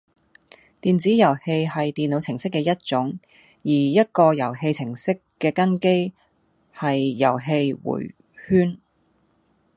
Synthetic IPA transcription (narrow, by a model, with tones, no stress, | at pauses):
t̪iː˨nt͡siː˨˥jɐ˨˩whe˧jhɐ˨jt̪iː˨nlo˨˧wt͡sʰɪ˨˩ŋsɪ˥kːɛː˧jɐ˥t̚t͡ʃʊ˨˥ŋ | jiː˨˩jɐ˥t̚kɔː˧jɐ˨˩whe˧jt͡sʰɪ˨˩ŋsɪ˥kː | ɛː˧kɐ˥nke˥j | hɐ˨jːɐ˨˩wɦe˧jwṵː˨˩j | hyː˥n